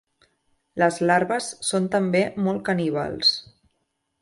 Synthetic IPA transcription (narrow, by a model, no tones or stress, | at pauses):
ləzlaɾβəsːont̪əmbemɔlˠkəniβ̞a̰lˠs